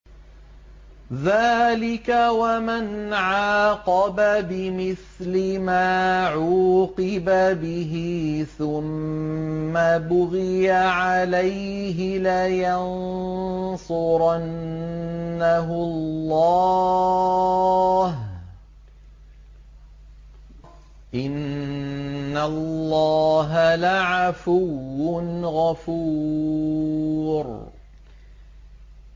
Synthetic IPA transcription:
ðaːlɪkawamanʕaːqɑbabɪmɪθlɪmaːʕuːqɪbabɪɦɪθʊmː | abʊɣɪjaʕalaj | ɦɪlajan | sʊɾˤɑnː | aɦʊllːɑ | ɦ | ʔɪnː | alːɑːɦalaʕafuwːʊnɣafu | ɾ

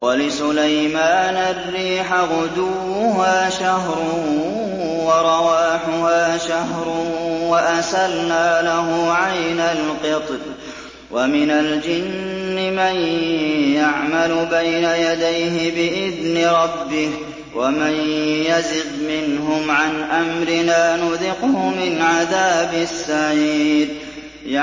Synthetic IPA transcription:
walɪsʊlajmaːnarːiːħaɣʊd̪uː | ʊɦaːʃaɦɾˤʊ | wɑɾˤɑwaːħʊhaːʃaɦɾˤʊwaʔasalnaːlaɦʊʕajnalqɨt̪ˤl | wʔamɪnald͡ʒɪnːɪmanjaʕmalʊbajnajad̪ajɦɪbɪʔɪðnɪɾˤɑbːɪh | wamanjazɪb̪mɪnɦʊmʕanʔamɾɪnaːnʊðɪqʊhʊmɪnʕaðaːbɪsːaʕiːd̪ | j

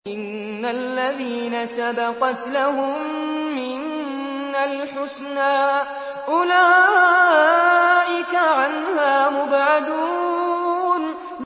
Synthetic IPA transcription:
ʔɪnː | alːaðiːnasabɑqɑt̪lahʊmːɪn | alħʊsnaː | ʔʊlaː | ʔɪkaʕanhaːmʊbʕad̪uː | n | m

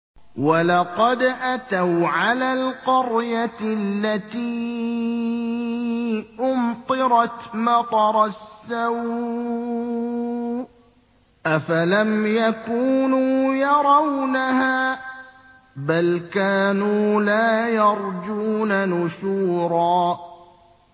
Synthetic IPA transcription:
walɑqɑd̪ʔat̪awʕalaːlqʊɾjalːat̪iː | ʔʊmt̪ˤɨɾɑt̪mɑt̪ˤɑɾˤɑsːaw | ʔafalamjakuːnuːjɑɾˤɑwnahaː | balkaːnuːlaːjɑɾˤd͡ʒuːnanʊʃuːɾˤɑː

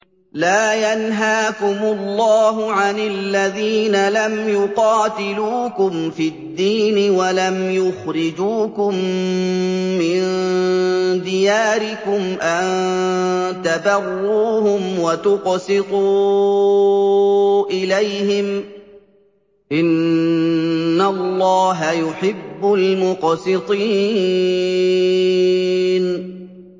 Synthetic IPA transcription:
laːjanɦaːkʊmʊlːɑːɦʊʕanɪlːaðiːnalamjʊqɑːt̪ɪluːkʊmfid̪ːiːnɪwalamjʊxɾɪd͡ʒuːkʊm | ɪn | d̪ɪjaːɾɪkʊmʔan | t̪abɑrˤːuːhʊmwat̪ʊqsɪt̪ˤuː | ʔɪlajhɪm | ʔɪn | alˤːɑːɦajʊħɪbːʊlmʊqsɪt̪ˤiː | n

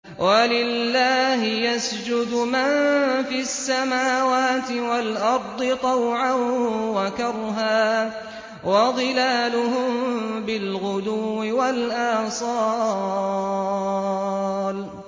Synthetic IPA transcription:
wʔalɪlːaːɦɪjasd͡ʒʊd̪ʊmanfiasːamaːwaːt̪ɪwalʔɑɾˤd̪ˤɨt̪ˤɑwʕanwakɑɾˤɦaː | wɑd̪ˤɨlaːlʊɦʊmbɪlɣʊd̪uːɪwalʔaːsˤɑː | l

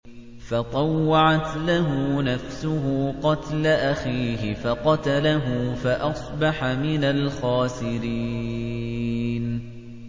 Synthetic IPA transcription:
fɑt̪ˤɑwːɑʕat̪laɦʊnafsʊɦʊqɑt̪laʔaxiːhɪfɑqɑt̪alaɦʊfaʔɑsˤbɑħamɪnalxaːsɪɾi | n

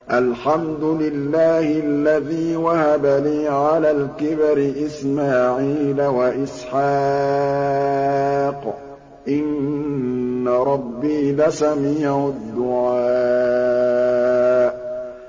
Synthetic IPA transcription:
ʔalħamd̪ʊlɪlːaːhɪalːaðiːwahabaliːʕalaːlkɪbaɾɪʔɪsmaːʕiːlawaʔɪsħa | q | ʔɪnː | aɾˤɑbːiːlasamiːʕʊd̪ːʊʕaaː | ʔ

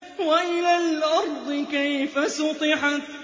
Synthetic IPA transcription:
walalʔɑɾˤd̪ˤɨkejfasʊt̪ˤiːħa

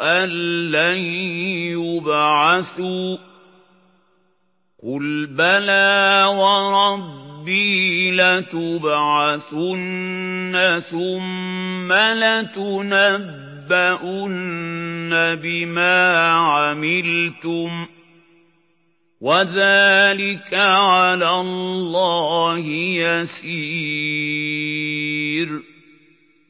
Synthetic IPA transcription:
ʔalːajjʊbʕaθuː | qʊlbalaːwɑɾˤɑbːiːlat̪ʊbʕaθʊnːaθʊmːalat̪ʊnabbːaʔʊnː | abɪmaːʕamɪlt̪ʊm | waðaːlɪkaʕalaːllːɑːhɪjasiː | ɾ

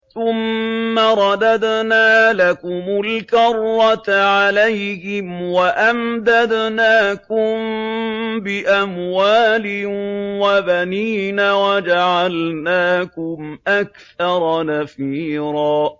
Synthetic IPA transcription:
θʊmːaɾˤɑd̪ad̪naːlakʊmʊlkɑrˤːat̪ʕalajhɪmwaʔamd̪ad̪naːkʊm | bɪʔamwaːlɪwabaniːnaːwad͡ʒaʕalnaːkʊmʔakθɑɾˤɑnafiːɾɑː

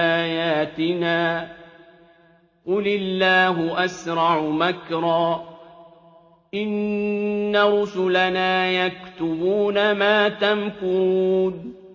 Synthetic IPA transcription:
aːjaːt̪ɪnaː | qʊlɪlːaːɦʊʔasɾˤɑʕmakɾˤɑː | ʔɪnː | aɾˤʊsʊlanaːjakt̪ʊbuːnamaːt̪aŋkʊɾuuːn

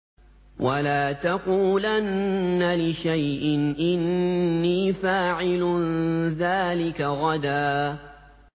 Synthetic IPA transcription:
walaːt̪aquːlanːalɪʃajʔɪnʔɪnːiːfaːʕɪlʊðaːlɪkaɣɑd̪aː

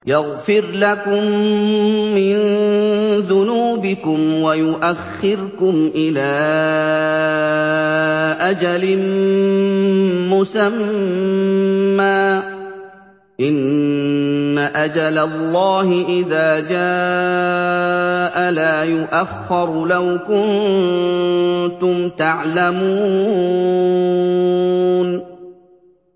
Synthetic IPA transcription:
jaɣfɪɾlakʊmː | ɪn | ðʊnuːbɪkʊmwajʊʔaxːɪɾkʊmʔɪlaː | ʔad͡ʒalɪ | mʊsamm | aː | ʔɪnː | aʔad͡ʒalalːɑːhɪʔɪðaːd͡ʒaː | ʔalaːjʊʔaxːɑɾˤlawkʊn | t̪ʊmt̪aʕlamuː | n

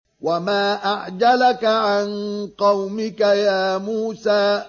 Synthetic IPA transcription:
wamaːʔaʕd͡ʒalakaʕanqɑwmɪkajaːmuːsaː

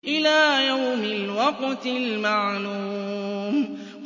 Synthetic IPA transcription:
ʔɪlaːjawmɪlwɑqt̪ɪlmaʕluːm | q

